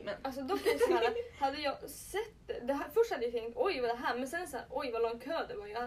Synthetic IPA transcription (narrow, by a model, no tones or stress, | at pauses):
mɛnɑls̬ɔd̪ɔkːsɛɾəhɑd̪əjɑɪsɛt̪ːd̪ɛɦæfœʂhɑd̪əjæt̪ɛŋt̪ɔjʋɑd̪ɛɦæːɾmɛnsɛnsɛʔɔjʋɑlɔŋkʰøːd̪ɛɡoːɾjʊæ